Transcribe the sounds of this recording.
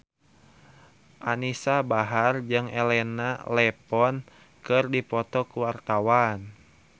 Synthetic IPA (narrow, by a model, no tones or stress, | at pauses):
ʔanisabaɦard͡ʒɨŋɛlɛnalɛpɔn | kɨrdipɔt̪ɔkuwart̪awan